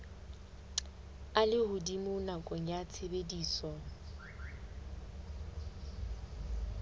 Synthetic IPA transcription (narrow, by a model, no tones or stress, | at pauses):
alɪhʊdimʊnakʼɔŋ̩jat͡sʰebediːsɔ